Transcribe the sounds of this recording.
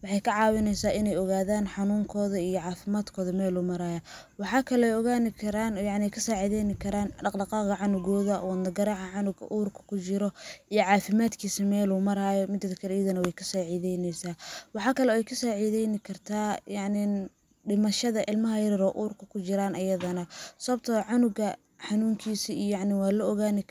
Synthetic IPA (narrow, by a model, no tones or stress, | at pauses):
wɑħɑjkʰɐʕɑːwɪnɛjsaːʔɪnɛjɔɣaːðaːnħɑnuːŋkʰɔːðɐijɔʕɑːfɪmaːd̪kʰɔːðɐmɛːluːmɐɾaːjɐ | wɑħɑːkʰɐlɛɛjɔɣaːnɪkʰɐɾaːnjɑʕnɪɛjkʰɐsaːʕiːðɛjnɪkʰɐɾaːnɖɑqɖɑqɑːqɐʕɑnʊɣɔːðɐwɐnd̪ɐɡɐɾaːʕɑʕɑnʊɡɐ̰ʔuːrkʰɐ̥kʰʊt͡ʃɪɾɔʔijɔʕɑːfɪmaːd̪kʰiːsɐmɛːluːmɐɾaːjɔmɪd̪ɐɐkʰɐɾiːðɐnɐwɛjkʰɐsaːʕiːðɛjnɛjsaːwɑħɑːkʰɐlɛɛjkʰɐsaːʕiːðɛjnɪkʰɐrt̪ʰaːjɑʕnɪ | ɖɪmɐʃɐðɐʔɪlmɐɦɐjɐɾɪɾɔːʔuːrkʰɐkʰʊt͡ʃɪɾaːnɐjɐðɐnɐsɔɐb̚t̪ʰɐʕɑnʊɡɐ | ħɑnuːŋkʰiːsiijɑʕnɪwɑːlɐɔɣaːnɪ